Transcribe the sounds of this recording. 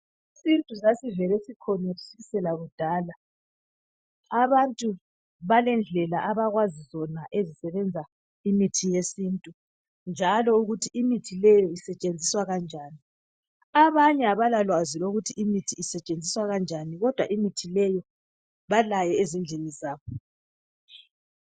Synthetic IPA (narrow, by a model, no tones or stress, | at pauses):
isintʼusasivɛlesikʰɔneɣusisɛlaɣud̥ʱaːla | aβantʼu | βalɛnd͡ɮʱɛlaʔaβaɣwazizɔnaʔezisɛβɛnd͡zʱa | imitʰijesintʼu | nd͡ʒʱalɔuɣutʰiʔimitʰilɛjɔisɛt͡ʃʼend͡zʱiswaɣand͡ʒʱaːni | aβaɲɛaβalalwaziloɣutʰiimitʰiːsɛt͡ʃʼend͡zʱiswaɣand͡ʒʱaniɣɔd̥ʱwaʔimitʰilɛjɔ | βalajɛezind͡ɮʱenizaːβɔ